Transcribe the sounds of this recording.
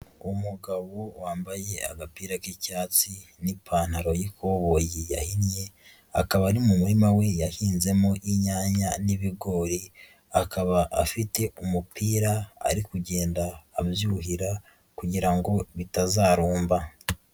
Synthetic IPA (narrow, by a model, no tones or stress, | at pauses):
umuɡaβo̞waːmbaje̞a̰ɡapiːɾakicaːt͡sinipʰaːn̥haɾo̞jikoβojija̰hinje̞ | akaβaɾimumuɾimawe̞jahiːnze̞moʔiɲaːɲaniβiɡo̞ːɾi | akaβaʔafite̞umupiːɾaa̰ɾikuɟe̞ːndaːβjuːɦiɾa | kuɟiɾaŋɡo̞βitazaːɾuːmba